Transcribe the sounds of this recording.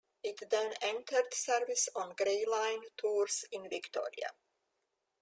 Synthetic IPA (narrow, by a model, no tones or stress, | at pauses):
ɪtðɛ̃nɛ̃ntʰəɾd̪sɛɹvɪsɔ̃nɡɾeɪlãɪ̃ntʰuɹsɪ̃nvɪktʰɔ̰ɹḭa̰